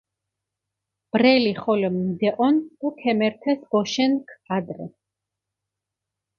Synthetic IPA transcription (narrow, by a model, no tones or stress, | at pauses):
b̥ɾɛliχɔlɛmd̪ɛʔʼɔnukʰɛmɛɾt̪ʰɛsbɔʃɛnkʰad̪ɾɛ̰